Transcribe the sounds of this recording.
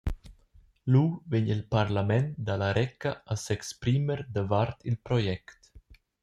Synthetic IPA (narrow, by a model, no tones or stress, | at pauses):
luːveɲilpaɾlamɛnd̪alaɾɛkːaʔasɛkspɾiməɾd̪əvaɾt̪ʰilpɾɔjɛkt̪